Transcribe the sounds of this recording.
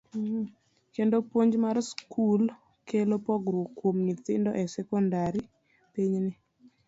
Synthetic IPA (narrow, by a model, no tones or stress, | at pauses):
kendopwoɲd͡ʒmarskʰul | kʰelopɔɡɾokwomnit̪ɪndɔʔɛsɛkɔndaɾi | piɲnɪ